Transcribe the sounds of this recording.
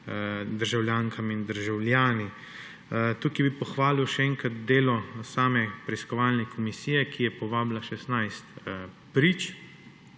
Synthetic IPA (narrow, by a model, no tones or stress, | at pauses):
d̪əɾʒawljaːŋkʰamind̪əɾʒawljaːni | t̪ukibipɔxʋaːliwʃɛɛːŋkɾat̪̚d̪eːlɔsaːmɛpɾɛiskɔʋaːlnɛkʰɔmisijɛkijɛpɔʋaːblaʃɛsnajst̪ | pɾiːt͡ʃ